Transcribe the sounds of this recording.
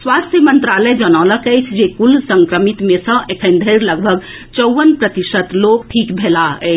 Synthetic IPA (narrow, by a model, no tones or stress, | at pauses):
swast̪ʰjəmənt̪ɾaləjd͡ʒənaləkəjt͡ʃʰd͡ʒekulsəŋkɾəmit̪mesə̃ʔekʰənd̪ʱəɪɾləɡbʱəɡ | t͡ʃəʊʋənpɾət̪isət̪lok̚ʈʰikbʱelaə̰ɪt͡ʃʰ